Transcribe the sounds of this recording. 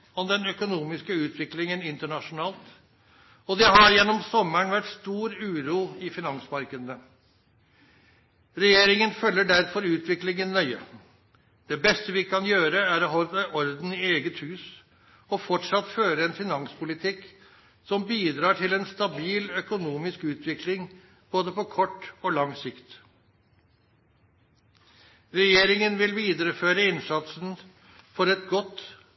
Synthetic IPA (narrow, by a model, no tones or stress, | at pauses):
ɔmd̪ɛnœkʊnuːmɪskəʉːt̪ʰʋɪklɪŋənɪnt̪əɳɑʂʊnɑːlt̪ | ɔd̪ɛɦɑɾjɛnːɔmsɔmːəɳʋæʈst̪uːɾʉːɾuːɪfɪnɑŋsmɑɾkəd̪nə | ɾɛjeːɾɪŋənfœlːəɖæɾfɔɾʉːt̪ʰʋɪklɪŋənːœʏə | d̪̥ɛbɛst̪əʋɪkʰɑnjøːɾəæɾɔɦɔɾʔɔɾd̪n̩ɪeːɡət̪hʉːs | ɔfɔʈʂɑt̪føːɾəɛnfɪnɑŋspʰʊlɪt̪ʰɪk | sɔmbiːd̪ɾɑːʈʰɪlɛnst̪ɑbiːlœkʊnuːmɪskʉːt̪ʰʋɪklɪŋ | b̥oːd̪əpɔkʰɔʈːoːlɑŋsɪkt̪ | ɾɛjeːɾɪŋənʋɪlʋiːd̪əɾəføːɾəɪnsɑt̪sn | fɔɾɛt̪ɡɔt̪ː